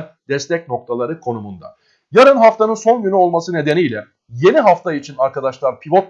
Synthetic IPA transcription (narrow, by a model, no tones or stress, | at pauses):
n | d̪̥ɛst̪ʰɛc̚no̞k̚t̪ʰalˠaɾɯkʰo̞numund̪a̰ | jaɾɯnɦaft̪anɯnso̞nɟynyo̞lˠmasɯne̞d̪e̞nijlʲɛ | je̞niɦaft̪ʰait͡ʃʰinaɾkad̪aʃlˠaɾpʰivo̞t̪̚